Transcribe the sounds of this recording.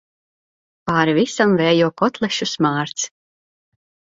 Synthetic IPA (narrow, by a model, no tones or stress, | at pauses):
paːɾvʲisamvɛːjuɔkɔt̪lˠɛʃusmaːɾt̪s